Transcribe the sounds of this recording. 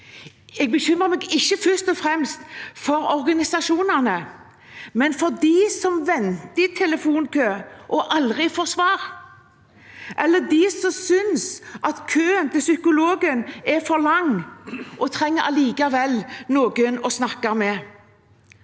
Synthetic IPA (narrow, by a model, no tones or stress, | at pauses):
ɛɡ̚bəçʏmːəmɛɡɪçːəfœst̪ɔfʁɛmst̪fɔɾɔɾɡɑnɪsɑʂuːnənə | mɛnfɔd̪isɔmʋɛnt̪əɪt̪ʰɛləfuːnkʰøːʔɔʔɑld̪ʁɪfɔʁsʋɑːɾ | ʔɛlːəd̪ɪsɔmsʏnsʔɑt̪kʰøːənt̪ʰɪlsʏkʊloːɡənɛfɔɾlɑŋːʔɔt̪ʰʁɛŋːəɾɑliːkɑʋɛlnoːɡənɔsnɑkːɑmɛ